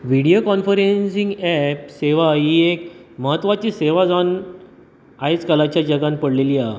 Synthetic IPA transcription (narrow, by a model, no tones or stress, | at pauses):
ʋiɽiokɔnfəɾensĩŋɡɛpseʋaɦiek̚məɦət̪ːʋat͡ɕiːseʋad͡zan | aet͡skəlat͡ɕjad͡ʑəɡãnpəɽleliːa